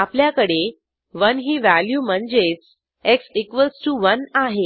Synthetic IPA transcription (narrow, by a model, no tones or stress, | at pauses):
apljakəɽe | ʋənɦiːʋæljuːm̤əɳd͡ʑet͡s | eksikʋəlsʈuʋənaɦe